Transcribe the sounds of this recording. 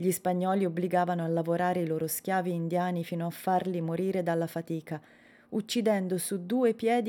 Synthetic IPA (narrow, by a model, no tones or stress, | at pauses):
ʎispaɲːɔːliobliɡaːvanoalːavoɾaːɾeiloːɾosk̟jaːviːnd̪jaːnifiːnoafːarlimoɾiːɾed̪alːafat̪iːka | ut͡ʃːid̪ɛnd̪osud̪uːepjɛːd̪